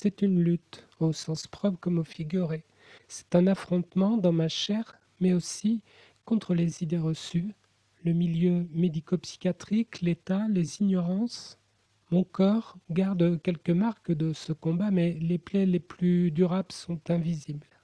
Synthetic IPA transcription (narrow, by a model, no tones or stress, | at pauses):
sɛt̪ynlyt̪ | osɑ̃spχɔpχkɔmofiɡʲyʁe | sɛ̥t̪ɛ̃nafχɔ̃t̪mɑ̃d̪ɑ̃maʃɛʁ | mɛosi | kɔ̃t̪χəlezid̪eʁəsy | ləmiljømed̪ikopsi̥kʲjat̪χiklet̪aleziɲɔʁɑ̃s | mɔ̃kɔʁɡaʁd̪kʲɛlkəmaʁkəd̪əsəkɔ̃bamɛleplɛleplyd̪yʁabləsɔ̃t̪ɛ̃vizibl